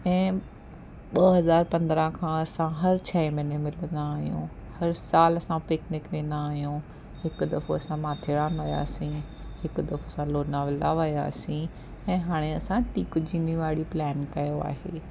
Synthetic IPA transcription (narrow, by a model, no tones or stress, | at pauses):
ɛ̃ː | ɓɐɦɐzaːɾpɐ̃nd̪ɾə̃kʰãɐsãɦɐɾt͡ɕʰɛmɪnemɪlə̃nd̪aːɦijṵ̃ | hɐɾsaːlɐsãpeːknɪkɗ̪ẽːnd̪aːɦijũ | ɦɪkʊ̆d̪ɐfoɐsãmaːt̪ʰɪɽaːnʋɐja̰ːsĩ | hɪkʊ̆d̪ɐfosãloːnãʋɪla̰ʋɐja̰ːsĩ | ɛ̃ːɦaːɽ̃eɐsãʈiːkʊd͡ʑʱĩːnĩʋaːɽiplɛːnkɐjoa̰ːɦḛː